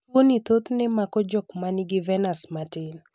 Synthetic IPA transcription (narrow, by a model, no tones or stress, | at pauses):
onit̪ot̪nɛmakɔd͡ʒɔkmaniɡɪvɛnasmatɪl